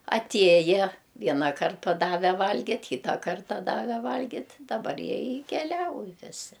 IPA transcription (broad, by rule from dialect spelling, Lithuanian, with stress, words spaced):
ɐˈtʲiɛjɛ ˈʋʲiɛnɐˌkɐrt pɐˈdɑːʋʲɛ ˈʋɐlʲɡʲɪtʲ ˈkʲiːtɐ ˈkɐrtɐ ˈdɑːʋʲɛ ˈʋɐlʲɡʲɪtʲ dɐˈbɐr ˈjiɛ ɪ kʲɛˈlʲɛʊj ʋʲɪˈsʲɪ